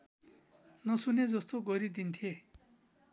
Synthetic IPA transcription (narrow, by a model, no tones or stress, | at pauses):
nʌsuned͡zʌst̪oɡʌɾid̪int̪ʰie